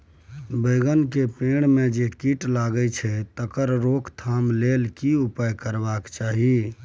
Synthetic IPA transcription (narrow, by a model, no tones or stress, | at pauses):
bəjɡənkepeɽ̃med͡ʒekiʈlaɡət͡ʃʰɛt̪əkəɾɾokʰt̪ʰamlelkiupəjkəɾbakt͡ʃaɦi